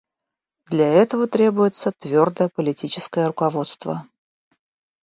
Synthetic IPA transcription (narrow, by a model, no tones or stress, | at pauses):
d̪lʲaɛt̪əvət̪ɾʲe̞bʊjɪt̪sət̪vʲord̪əəpəlʲɪtʲit͡ɕɪskəjəɾʊkɐvo̞t̪st̪və̰